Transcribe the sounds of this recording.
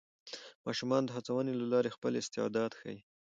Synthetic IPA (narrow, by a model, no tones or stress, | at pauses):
mɑʃumɑnd̪əɦat͡sawənelalɑɾexpəlɪst̪ɪɑ̰d̪ɑd̪xa̰ji